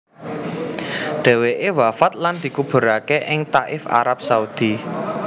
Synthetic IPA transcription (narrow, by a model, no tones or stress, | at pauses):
ɖ̪̥ɛ̤weʔewafat̪̚land̪̥i̤kub̥ṳɾakeʔɪŋt̪aʔɪfa̰ɾap̚saud̪̥i